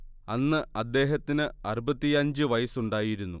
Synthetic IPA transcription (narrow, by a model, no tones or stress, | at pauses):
ɐnːɨɐd̪ːe̞ːɦɐt̪ːinɨɐrubɐt̪ːiɐɲd͡ʑɨʋɐjɐsuɳɖaːjiɾunːṵ